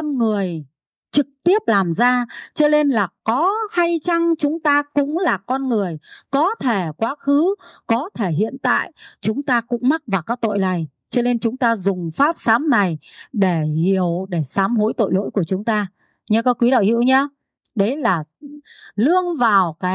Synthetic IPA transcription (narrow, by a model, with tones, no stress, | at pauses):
ɔ˧nŋɨ˨˩əj | t͡ɕɨ˨˩k̚t̪i˦˥əp̚laː˨˩mzaː˧t͡ɕə˨˦ne˧nlaː˨˩kɔ˨˦ha˧jt͡ɕa˧ŋt͡ɕʊ˨˦ŋ͡mt̪aː˧kʊ̰˧˥ŋ͡mlaː˨˩kɔ˧nŋɨ˨˩əjkɔ˨˦t̪ʰe˧˩kwaː˨˦xɨ˨˦kɔ˨˦t̪ʰe˧˩ɦḭ˧˨ənt̪a̰ː˧˨jt͡ɕʊ˨˦ŋ͡mt̪aː˧kʊ̰˧˥ŋ͡mma˦˥t̚vaː˨˩wkaː˦˥k̚t̪o̰˧˨jla˨˩j | t͡ɕə˧ne˧nt͡ɕʊ˨˦ŋ͡mt̪aː˧zʊ˨˩ŋ͡mfaː˦˥p̚saː˨˦mna˨˩jɗe˧˩hi˧˩˨əwɗe˧˩saː˨˦mɦo˨˦jt̪o̰˧˨jlo̰˧˥jku˧˩ət͡ɕʊ˨˦ŋ͡mt̪aː˧ | ɲə˧kɔ˨˦kwi˨˦ɗa̰˧˨jhḭ˧˨ə˨wɲa˧ | ɗə˨˦jlaː˨˩ | lɨ˧əŋvaː˨˩wkaː˨˦